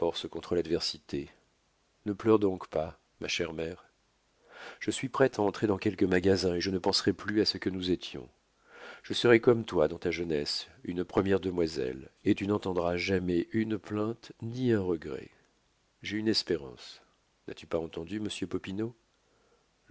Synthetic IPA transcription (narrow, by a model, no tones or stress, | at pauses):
fɔʁsəkɔ̃t̪χəlad̪vɛʁsit̪e | nəplœʁd̪ɔ̃kpa | maʃɛʁmɛːʁ | ʒ̥əsɥipχɛt̪aɑ̃t̪χed̪ɑ̃kʲɛlkəmaɡazɛ̃eʒənəpɑ̃sʁɛplyasəkənuzet̪jɔ̰̃ | ʒ̥əsəʁɛkɔmt̪wad̪ɑ̃t̪aʒənɛsynpχəmjɛʁd̪əmwazɛ̰let̪ynɑ̃t̪ɑ̃d̪ʁaʒamɛʔynplɛ̃t̪niɛ̃ʁəɡʁɛ̰ | ʒeynɛspeʁɑ̰̃s | na̰t̪ypaɑ̃t̪ɑ̃d̪yməsjøpɔpino